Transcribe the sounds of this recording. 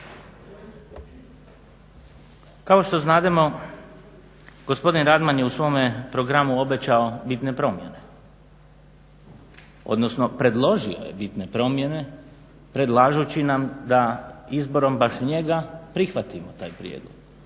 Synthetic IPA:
kao̞ʃt̪o̞znaːd̪emo̞ | ɡo̞spo̞d̪inɾad̪manjeusʋo̞mepɾo̞ɡɾamuo̞be̞t͡ɕaobit̪ne̞pɾo̞mjene̞ | o̞̰d̪no̞sno̞pɾe̞d̪lˠo̞ʒio̞̰je̞̰bit̪ne̞pɾo̞mje̞ne̞ | pɾe̞d̪lˠaːʒut͡ɕinamd̪aizbo̞ɾo̞mbaʃɲe̞ɡapɾixʋat̪imot̪a̰ːjpɾjḛd̪lo̰ɡ̥

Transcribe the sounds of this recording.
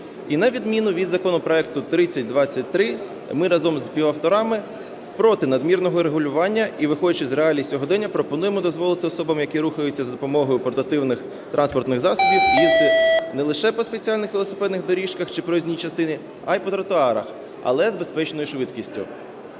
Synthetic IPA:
inɐʋʲid̪mʲinʊʋʲid̪zɐkɔnɔpɾɔɛkt̪ʊt̪ɾɪt͡sʲːɐtʲd̪ʋɑt͡sʲːɐt̚ʲt̪ɾɪ | mɪɾɐzɔmzpʲiʋɐwt̪ɔɾɑmɪ | pɾɔt̪ɪnɐd̪mʲirnɔɦɔɾeɦʊlʲʊʋɑnʲːɐiʋɪxɔdʲɐt͡ʃɪzreɑlʲisʲɔɦɔd̪ɛnʲːɐpɾɔpɔn̪ujemɔd̪ɔzʋɔlˠɪt̪ɪɔsɔbɐmjɐkiɾuxɐjʊt͡sʲːɐzɐd̪ɔpɔmɔɦɔjʊpɔrt̪ɐt̪ɪwnɪx | t̪ɾʔɑnspɔrt̪nɪɣzɑsʊbʲiwjʲizʲlʲinɛlˠɪʃɛpɔspet͡sʲiɑlʲnɪxʋilˠɔsɪ̥pɛd̪nɪxd̪ɔɾʲiʃkɐxt͡ʃɪpɾɔzʲnʲijit͡ʃɐst̪ɪnɪ | ajpɔt̪ɾɐt̪ʊɑɾɐ̰x | ɐ̰lˠɛzbespɛt͡ʃnɔjʊʃʋɪd̪kʲisʲtʲʊ̰

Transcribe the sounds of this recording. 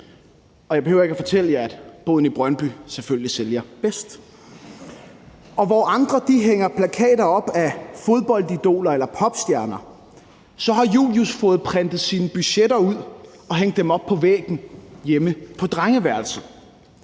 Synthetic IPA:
ɒjɑ̈be̝høʊ̰ɐeɡ̥æfɒ̽t͡sʰel̰əjɑæd̥b̥ɔːðˠn̩ib̥ʁɶnb̥yseføljliseljɐb̥esd̥ | ɒ̽ʋɒʔɑ̈nd̥ʁɐd̥iɦeŋɐpʰlækʰɛ̰ːd̥ɐɒ̽b̥æfo̝ð̞ˠb̥ɒ̽l̰did̥o̝̰ːlɐelɐpʰɒ̽b̥sd̥jæɐnɐ | sɒ̽ɦɑ̈jṵːljusfɔ̽ːð̩ˠpʰʁɛnd̥ð̩ˠsiːnəb̥yɕeɾɐuð̰ˠ | ɒ̽ɦeŋ̰d̥ːemɒ̽b̥̚pʰɒ̽ʋḛːɡ̥n̩jeməpʰɒ̽d̥ʁaŋəʋæɐls̩

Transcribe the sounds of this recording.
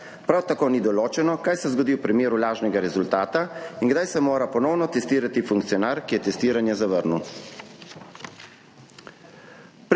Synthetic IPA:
pɾawt̪akoːnid̪ɔloːt͡ʃɛnɔkajsɛzɡɔd̪iːwpɾimeːɾulaːʒnɛɡaɾɛzult̪aːt̪aiŋɡd̪ajsɛmoːɾapɔnɔwnɔt̪ɛst̪iːɾat̪ifuŋkt̪siɔnaɾkijɛt̪ɛst̪iːɾanjɛzaʋəɾnu | p

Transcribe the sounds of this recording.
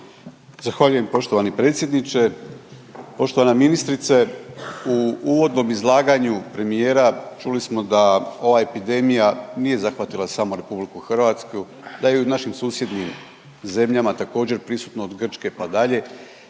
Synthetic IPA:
zaxʋaʎuje̞mpo̞ʃt̪oʋanipɾe̞ːt̪sje̞d̪nit͡ʃe̞ | po̞ʃt̪oʋanaminist̪ɾit̪seuuʋo̞d̪no̞mizlˠaːɡaɲupɾe̞mije̞ːɾat͡ʃulismo̞d̪ao̞ʋae̞pid̪e̞mijanije̞zaxʋat̪ilˠasamoɾe̞publikuxr̩ʋat̪sku | d̪ajeunaʃimsuːsje̞d̪nim | ze̞mʎamat̪ako̞ːd͡ʑe̞ɾpɾisu̥t̪noːd̪ɡr̩t͡ʃke̞pad̪aʎe̞

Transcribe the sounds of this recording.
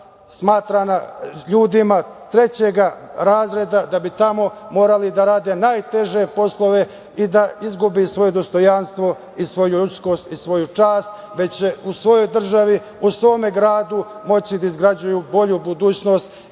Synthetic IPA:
smaːt̪ɾanaʎuːd̪ima | t̪ɾe̞t͡ɕe̞ɡa | ɾaːzɾe̞d̪ad̪abit̪amo̞mo̞ːɾalid̪aɾaːd̪e̞naːjt̪e̞ʒe̞po̞slˠo̞ʋe̞ | id̪aizɡubisʋo̞je̞d̪o̞st̪o̞janst̪ʋo̞ | isʋo̞juut̪sko̞ːst̪isʋo̞jut͡ʃaːst̪ | ʋe̞t͡ɕt͡ɕeusʋo̞jo̞jd̪r̩ʒaʋi | usʋo̞ːme̞ɡɾaːd̪umo̞t͡ɕid̪aizɡɾad͡ʑujubo̞ʎubud̪uːt͡ɕno̞ːst̪

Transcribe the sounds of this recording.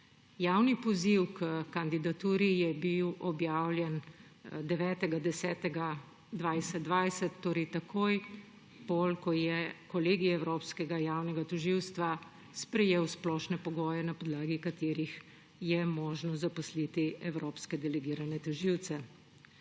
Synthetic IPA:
jaːwnipɔziwkəkand̪id̪at̪uːɾijɛbiwɔbjaːwljɛn | d̪ɛʋɛːt̪ɛɡad̪ɛsɛːt̪ɛɡa | d̪ʋajsɛd̪ʋajsɛt̪ːoːɾɛt̪akʰoːj | bolkɔjɛkɔleːɡijɛwɾopskɛɡajaːwnɛɡat̪ɔʒiwst̪ʋa | spɾɛjeːwsplɔːʃnɛpɔɡɔːjɛnapɔd̪laːɡikat̪eːɾix | jɛmɔːʒnɔzapɔslit̪iɛwɾoːpskɛd̪ɛlɛɡiːɾanɛt̪ɔʒiwt̪sɛ

